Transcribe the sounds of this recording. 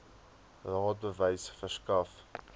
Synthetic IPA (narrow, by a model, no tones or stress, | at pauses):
rɑːt̚bəvəjsfərskɐf